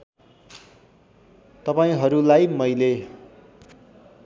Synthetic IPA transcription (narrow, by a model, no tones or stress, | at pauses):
t̪ʌpaĩɦʌɾulajmʌjle